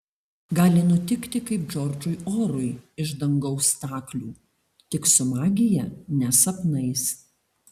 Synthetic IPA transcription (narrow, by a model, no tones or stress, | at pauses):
ɡɑːlʲɪnʊt̪ʲɪkt̪ʲɪkɐɪpd͡ʒɔɾd͡ʒʊɪoːɾʊɪɪʒd̪ɐŋɡɒʊst̪ɑːklʲuː | t̪ʲɪksʊmɑːɡʲɪjɛnʲɛsɐpnɐɪs